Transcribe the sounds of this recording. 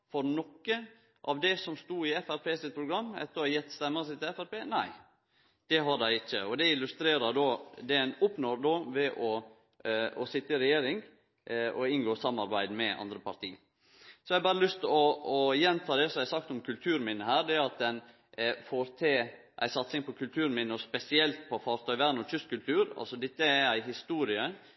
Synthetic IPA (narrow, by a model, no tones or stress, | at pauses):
fɔɾnɔkːə | ʔɑʋd̪ɛsɔmst̪uːɪɛfæɾpeːsɪt̪̚pʰɾʊɡɾɑmːɛ̰t̪ːəɑjɛt̪ːst̪ɛmːəsɪt̪ɪɛfæɾpeːnæɪ | d̪̥ɛɦɑɖæɪɪçːəɔd̪ɛɪlʉst̪ɾeːɾɑd̪oːd̪ɛæɪnʊpnɔɾd̪oːʋɛʔɔ | ɔsɪt̪ːəɪɾɛjeːɾɪŋ | ɔɪnɡoːsɑmɑɾbæɪd̪mɛʔɑ̰nd̪ɾəpɑɾt̪ʰiː | sɔæɪɑbɑːɾəlʏst̪ɔɔjɛnt̪ʰɑːd̪ɛsɔmjæɪsɑk̚t̪ɔmkʰʉlt̪ʰʉːɾmɪnːəhæːɾd̪ɛɾɑt̪̚d̪ɛn | foɾt̪ʰeː | ʔæ̰ɪsɑt̪sɪŋpɔkʰʉlt̪ʰʉːɾnmɪnːəɔspɛsɪɛlt̪̚pʰɔfɑːɾt̪ʰœʏʋæɾnɔt̪ʰʏst̪kʉlt̪ʰʉːɾɑ̰lsɔd̪ɛt̪ːəæɾæɪɦɪst̪uːɾɪə